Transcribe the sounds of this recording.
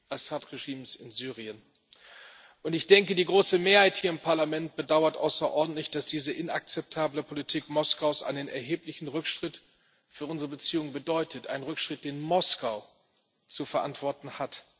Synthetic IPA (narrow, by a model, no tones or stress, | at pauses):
ʔasaːtʁeʒiːmsɪnzyːʁ̞iən | ʔʊntɪçd̥ɛŋkədiːɡʁoːsəmeːɐhaɪthiːɐɪmpʰaɐlamɛnt̚b̥ədaʊɐtʔa̰ʊsɐʔɔɐdn̩tlɪçd̥asd̥iːzəʔɪna̰k̚t͡sɛp̚tʰaːbləpʰolitʰiːkmɔskaʊsʔa̰ɪnənɛ̰ɐɦeːplɪçn̩ʁʏkʃtʁ̥ɪt | fyːɐʔʊnzəʁəbət͡siːʊŋəbədɔʏtətʔa̰ɪnənʁʏkʃtʁ̥ɪt̚d̥eːnmɔskaʊ | t͡sufɛɐʔantv̥ɔɐtn̩hat